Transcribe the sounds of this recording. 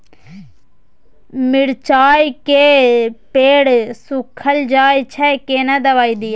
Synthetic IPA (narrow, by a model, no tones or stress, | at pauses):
mɪɽt͡ʃaːjkeːpeːɽsʊkʰəld͡ʒaːjt͡ʃʰɛkeːnaːd̪əʋaːiːd̪iː